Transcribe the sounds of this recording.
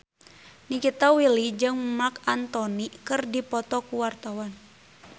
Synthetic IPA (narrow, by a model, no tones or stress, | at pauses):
nikit̪awilid͡ʒɨŋmakant̪ɔnikɨrdipɔt̪ɔkuwart̪awan